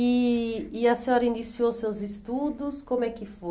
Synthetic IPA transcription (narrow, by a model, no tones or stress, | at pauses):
iː | ɐsĩɔɾɐĩnisiosewzɪst̪ud̪ʊskõmʊɛkɪfo